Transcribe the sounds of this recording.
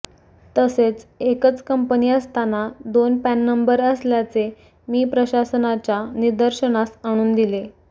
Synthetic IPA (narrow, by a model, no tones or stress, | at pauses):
t̪əset͡sekət͡skəmpəniəst̪anad̪onpænːəmbəɾəsljat͡se | miːpɾəɕasənat͡ɕjaniɾd̪əɾɕəɽ̃asaɽ̃uːnd̪ile